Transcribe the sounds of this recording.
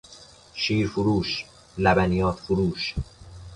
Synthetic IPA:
ʃiːɾfuɾuːʃ | læbænijɒːt̪ʰfuɾuːʃ

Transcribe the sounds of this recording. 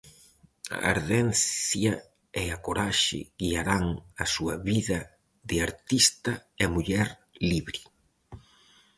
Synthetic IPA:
a̰a̰ɾðɛnθjɐ | ɛakoɾaʃɪ̰ɣiaɾaŋɐsuɐβiðɐ | ðɪaɾt̪ist̪ɐɛmuʎɛɾliβɾi

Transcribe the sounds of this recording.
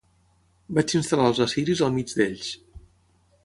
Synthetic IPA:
bat͡ʃinst̪əlaəlˠzəsiɾizəlˠmid͡ʒd̪eʎs

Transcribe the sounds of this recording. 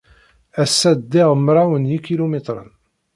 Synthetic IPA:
æsːæd̪ːɪʁmɾˤawənjikilumet̪ˤɾˤə̰n

